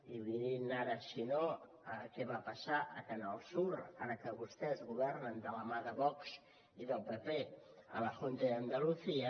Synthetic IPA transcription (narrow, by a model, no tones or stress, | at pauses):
iβiɾinaɾəsino | əkɛβapəsaʔə̰kənəlˠsuɾaɾəkəβust̪ɛzɣuβɛrnənd̪ələmaðəβɔks | iðəlˠpəpeə̰ləxont̪əðənd̪əluθiə